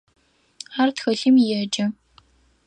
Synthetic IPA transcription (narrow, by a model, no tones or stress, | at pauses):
aːrtxɐɬimjɛd͡ʒɐ